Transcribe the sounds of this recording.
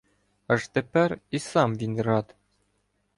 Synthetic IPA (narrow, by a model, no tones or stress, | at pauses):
ɤ̆ʐt̪ɘ̆pɘɾisɑmvinʲɾɑt̪